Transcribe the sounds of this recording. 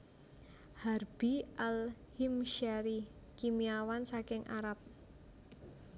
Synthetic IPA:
harb̥iʔalhimʃaɾi | kimiawansakɪŋʔa̰ɾap̚

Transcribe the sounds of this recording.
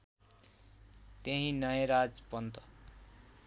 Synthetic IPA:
t̪eɦĩnʌjʌɾad͡zpʌnt̪ʌ

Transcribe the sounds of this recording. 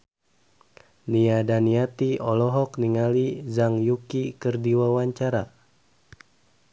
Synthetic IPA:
niadaniat̪iɔlɔɦɔkniŋalizaŋjukikərdiwawaɲt͡ʃaɾa

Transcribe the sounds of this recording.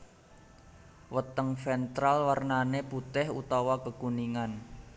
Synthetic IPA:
wət̪əŋfɛnt̪ɾalwarnaneput̪ɛɦṵt̪awakəkuniŋan

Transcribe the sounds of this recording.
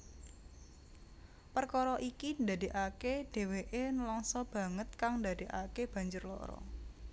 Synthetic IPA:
pərkɔɾɔʔikind̪ad̪i̤ʔaked̥e̤weʔenlɔŋsɔb̥ä̤ŋət̪̚kaŋnd̪ad̥iʔa̰keb̥a̤ɲd͡ʒʊrlɔ̰ɾɔ̰

